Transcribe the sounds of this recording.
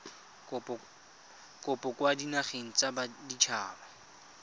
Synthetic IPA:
kʼʊpʼɔkʼwadinaχeŋ̩t͡sabadit͡ʃʰaːba

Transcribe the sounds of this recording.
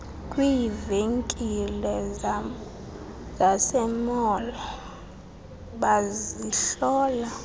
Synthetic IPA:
kʼwiːveŋkʼilɛ | zasɛmɔlɔ | ɓaziɬɔːla

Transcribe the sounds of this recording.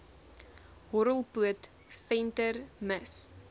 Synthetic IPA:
ɦɔɾəlˠpuət | fɛntərməs

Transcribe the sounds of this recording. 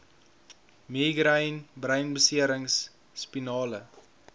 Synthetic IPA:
miːɡrəjnbrəjnbəsiəɾəŋsː | pinɑːlə

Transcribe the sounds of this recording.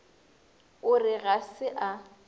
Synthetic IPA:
ʊrɪɣasɪʔa

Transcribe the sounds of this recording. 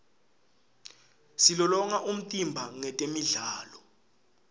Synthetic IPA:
silɔlɔŋaʔum̩tʼimbʱaŋɛtʼemiɮaːlɔ

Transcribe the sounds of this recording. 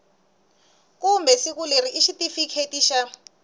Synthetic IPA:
kumbɛsik̬uleɾiʔiʃitifikʰetiːʃa

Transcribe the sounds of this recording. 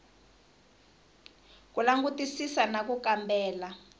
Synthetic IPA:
k̬ʼulaŋɡutʼisisanakukambɛːla

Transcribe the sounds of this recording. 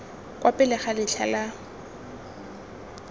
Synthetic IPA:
kʼwʔapʼɪlɪχalɪɬʰa̰la

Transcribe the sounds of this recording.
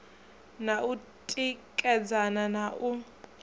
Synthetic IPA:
naʔu | tʼikʼɛd͡zananaʔu

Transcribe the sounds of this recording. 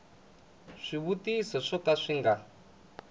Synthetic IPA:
ʂiβutisɔʂɔtaʂiŋɡa

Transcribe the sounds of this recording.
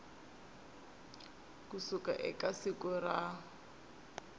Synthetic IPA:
kusuka̰ʔɪ̰kʼasikʊra

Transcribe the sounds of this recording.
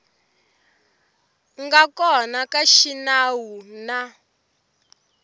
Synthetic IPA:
ŋɡakɔnakaʃinawuna

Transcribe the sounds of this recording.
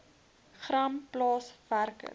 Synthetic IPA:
χrɐmplɑːsværkə̰

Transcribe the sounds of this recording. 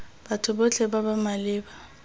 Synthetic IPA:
batʰʊbot͡ɬʰɛbabamalɪːba

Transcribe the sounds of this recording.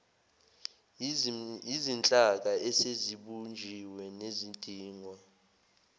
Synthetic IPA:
izint͡ɬʼak̬aɛseziɓund͡ʒʱiwɛnezindʼʱiːŋwa

